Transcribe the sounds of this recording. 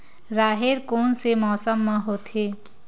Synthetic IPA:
ɾaːɦeɾkoːnsemɔːsəmːãɦoːt̪ʰeː

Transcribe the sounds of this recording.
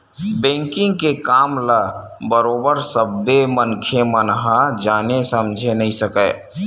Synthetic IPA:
bẽːŋkɪ̃ŋɡkekaːmla | bəɾoːbəɾsəbːemənkʰemənɦad͡ʒaːnesəmd͡ʒʱenəɦĩsəkəː

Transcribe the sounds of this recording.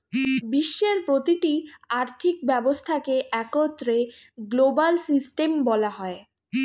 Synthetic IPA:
biʃːeɾpɾot̪iʈiaɾt̪ʰik̚bɛbost̪ʰakeʔɛkot̪ːɾeɡlobalsisʈembɔlaɦɔe

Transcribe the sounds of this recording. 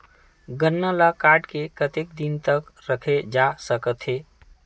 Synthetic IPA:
ɡənːəlakaːɾɖkekət̪ek̚d̪int̪əkɾəkʰed͡ʒasəkət̪ɦeː

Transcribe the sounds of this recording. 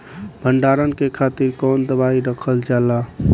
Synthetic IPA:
bʱəɳɖaɾənkekʰat̪iɾkɔːnd̪əbaiɾəkʰəld͡ʒala

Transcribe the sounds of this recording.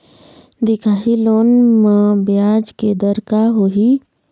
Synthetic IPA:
d̪ɪkʰaːɦiloːnmãbjaːd͡ʒked̪əɾkaɦoːɦi

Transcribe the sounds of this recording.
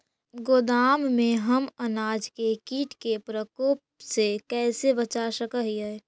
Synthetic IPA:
ɡoːd̪aːmmẽɦəmənaːd͡ʒkekiːʈkepɾəkoːpsekɛːsebət͡ʃaʃəkəɦiɛː

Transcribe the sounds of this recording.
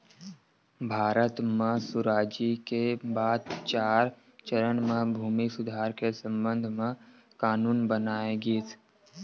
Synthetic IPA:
bʱaːɾət̪mẽsʊɾaːd͡ʒikebaːd̪̚t͡ʃaːɾ | t͡ʃəɾənmẽbʱuːmisʊd̪ʱaːɾkesə̃mbə̃nd̪ʱmẽ | kaːnuːnbənaːeɡiːt̪ʰ

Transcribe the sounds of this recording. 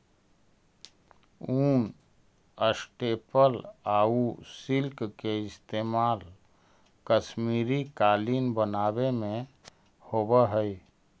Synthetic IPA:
uːn | əsʈeːpəlaːusɪlkkeɪst̪eːmaːl | kəʃmiːɾikaːliːnbənaːbemẽ | hoːbəɦəi

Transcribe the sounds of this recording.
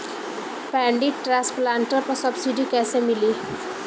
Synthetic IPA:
pɛ̃ɳɖiɖ̚ʈɾasplaɳʈəɾpəɾsʌbsiɖikɛːsemili

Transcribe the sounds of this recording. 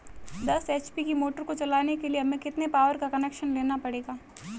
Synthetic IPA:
d̪ɐseːt͡ʃpikimoːʈəɾkot͡ʃɐlaːnekelieɐmẽkɪt̪nepaːʋəɾkakɐneːkʃənleːnapɐɽeːɡaː

